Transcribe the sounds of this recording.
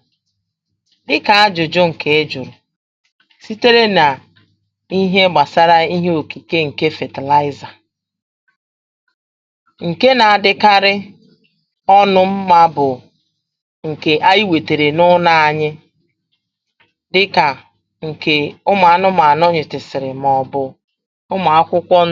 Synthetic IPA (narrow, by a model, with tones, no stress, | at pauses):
dɪ˦ka˨a˦d͡ʒʊ˨d͡ʒʊ˦ŋ̩˨kʰe˨ɪ˦d͡ʒʊ˨ɾʊ˨ | si˦te˦ɾe˦na˨ | i˦ɦe˦ɡ͡ba˨sa˦ɾa˦i˦ɦe˦o˨ki˨ke˦ŋ̩˨ke˦fe˨te˨la˦ɪ˦za˨ | ŋ̩˨ke˦na˨a˨dɪ˦ka˦ɾɪ˦ | ɔ˦nʊ˦m̩˦ma˦bʊ˨ | ŋ̩˨ke˨ʔa˦i˦we˨te˨ɾe˨nʊ˦na˦a˨ɲɪ˦ | dɪ˦ka˨ | ŋ̩˨ke˨ʊ˦ma˨a˦nʊ˦ma˨a˨nɔ˦ɲɪ˨tɪ˨sɪ˨ɾɪ˨m˨ɔ˨bʊ˨ | ʊ˦ma˨a˦kʷʊ˦kʷɔ˦